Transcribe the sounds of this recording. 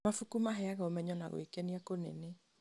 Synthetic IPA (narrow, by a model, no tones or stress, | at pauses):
mafukumaɦɛaɣaomɛɲɔna̰ɣo̰ekeniakonḛne